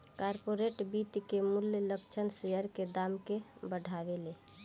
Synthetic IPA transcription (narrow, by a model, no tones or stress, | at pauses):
kaɾpoɾeʈbit̪kemuljləkt͡ʃʰənseəɾked̪amkebəɖʱaʋele